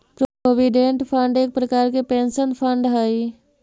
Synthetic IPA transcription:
pɾoʋiɖẽɳʈpʰəɳɖeːk̚pɾəkaːɾkepẽːnʃənpʰə̃ɳɖɦaːi

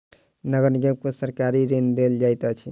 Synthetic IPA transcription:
nəɡəɾniɡəkosəɾkaɾiɾend̪eld͡ʒajt̪ət͡ʃʰḭ

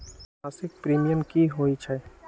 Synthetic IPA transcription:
aːsɪk̚pɾiːmijəmkiɦoːit͡ʃʰɛ

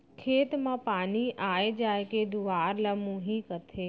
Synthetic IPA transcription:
kʰeːt̪mãpaniʔajd͡ʒajked̪uaɾləmũɦĩkət̪ʰe

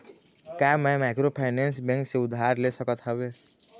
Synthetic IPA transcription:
kjaːmɛ̃maːkɾopʰaɪnɛ̃ːnsbɛ̃ŋkseʊd̪ʱːaːɾlesəkət̪ɦɛbeː

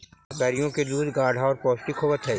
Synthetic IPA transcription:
kɛːɾijõked̪uːd̪ʱɡaːɽʱaɔːɾpɔːsʈikʰoːʋət̪ɦɛː

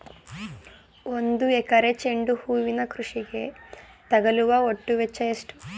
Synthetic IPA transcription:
ond̪uɛkɐɾet͡ʃeɳɖuhuːʋinɐkɾuʂiɡe̞ | t̪ɐɡɐluʋɐoʈːuʋet͡ʃːɐjɐsʈu

